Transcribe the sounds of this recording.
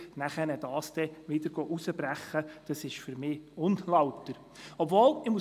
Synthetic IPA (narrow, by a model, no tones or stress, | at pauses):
næχɛnɛd̥ɑːsd̥̪ɛʋɪd̥əɾɡ̥ɔʔusəbɾæχəd̥ɑsɪʃfyɾmɪːʊnlɑʊt̪ːəɾ | ɔbvoːlɪmu